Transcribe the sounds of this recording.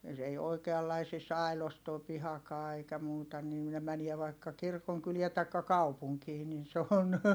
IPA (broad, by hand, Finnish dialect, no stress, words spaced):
s ei oikeɑlːɑisis ɑˑi̯los toː pihɑkɑː eikæ muːtɑ niː ne mæniɛ ʋɑikːɑ kirkoŋkyliɛ tɑikːɑ kɑupuŋkiː nin se on